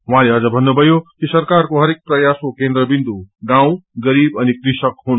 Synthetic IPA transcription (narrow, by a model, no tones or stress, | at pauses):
ɦũɦãleʌd͡zʌbʱʌnːubʱʌjokisʌrkarkoɦʌɾek̚prʌjaskokend̪ɾʌbind̪uɡãw̃ɡʌɾibʌnikrisʌkɦun